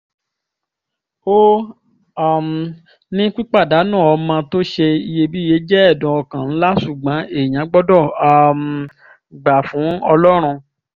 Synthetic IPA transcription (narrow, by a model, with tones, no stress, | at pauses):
o˦ | a˨m˨ | nĩ˦k͡pi˦k͡pa˦˨da˨˦nãː˦˨ɔ˧mãː˧to˦ʃe˧i˧je˧bi˦je˦d͡ʒɛ˦ɛ˦˨dɔ̃˨˦ɔ˧kã˨ñ̩˦la˦su˦˨ɡ͡bã˨˦e˦˨j̃ã˨˦ɡ͡bɔ˦dɔ˦˨a˨m˨ | ɡ͡ba˨fũ˨˦ɔ˧lɔ˦ɾ̃ũ˧